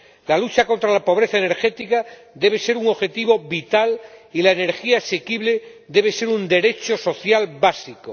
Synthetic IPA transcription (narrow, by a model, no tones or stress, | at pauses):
lalut͡ʃako̞nt̪ɾalapo̞β̞ɾe̞θaene̞ɾxe̞t̪ika | d̪e̞β̞e̞se̞ɾuŋoxe̞t̪iβo̞βit̪alilaene̞ɾxiaːse̞kiβle̞d̪e̞β̞e̞se̞ɾund̪e̞ɾe̞t͡ʃoso̞θjalbasiko